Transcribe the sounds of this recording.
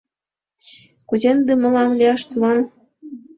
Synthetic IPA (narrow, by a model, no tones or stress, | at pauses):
kuzend̪emə̆lɑmlʲiɑʃt̪ulɑn